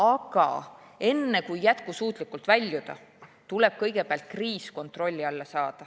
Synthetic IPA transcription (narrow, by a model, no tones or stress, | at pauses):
ɑɡ̥ɑ̰ | e̞nːe̞kujːæt̪kusuːt̪ˑlikːˑult̪vælʲːjud̪̥ɑ̰ | t̪ule̞b̥̚kɤjɡe̞peɑlt̪̚kriːsko̞nt̪ˑro̞lʲːiɑlːɑsɑːd̪̥ɑ